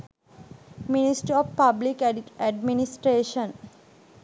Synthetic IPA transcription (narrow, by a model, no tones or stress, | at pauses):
minisʈəɾɔfpablikæɖminisʈɾeːʃə̃n